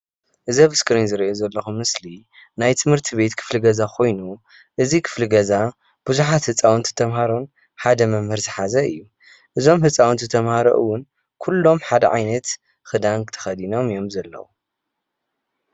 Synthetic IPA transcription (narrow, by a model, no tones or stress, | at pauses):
ʔɨzɐβɨskɨɾinzɨɾiʔozɐlːɐxumːɨsli | najt̪ʰɨmhɨɾt̪ʰiβe̞t̪kʰɨ̥fliɡɐzakʰo̞jnu | ʔɨzikʰɨ̥flɨɡɐza | b̥uzuħat̪hɨt͡sʼawnt̪ʰɨ̥t̪ʰɐmhaɾon | ħad̪ɐmɐmhɨɾzɨħazɐɨjːu | ʔɨzo̞mhɨt͡sʼawnt̪ʰɨt̪ʰɐmhaɾɐ̰ʔɨ̰wːʊn | kʰulːo̞mħad̪ɐʕa̰jnɐt̪ | xɨd̪ant̪ʰɐ̥xɐd̪ino̞mijo̞mzɐlːɐ̰wu